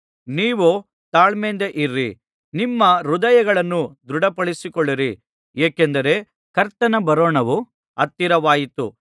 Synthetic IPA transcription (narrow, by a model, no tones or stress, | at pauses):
niːʋu | t̪aːɭmeːnd̪eʔiɾːḭ | nimːɐɾud̪ɐjɐɡɐɭɐnːud̪ɾuɽɐpɐɭisikɔɭːiɾi | eːkend̪ɐɾe̞ | kɐɾt̪ɐnɐbɐɾoːɳɐʋu | ɐt̪ːiɾɐʋaːjit̪ṵ